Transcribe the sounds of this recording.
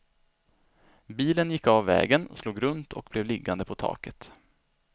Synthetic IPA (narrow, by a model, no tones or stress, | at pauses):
biːlənjɪkːavːɛ̰ːɡənsluːɡɾɵnt̪ʰɔk̚blɛvlɪɡːand̪əpʰɔt̪ʰɑ̰ːkət̪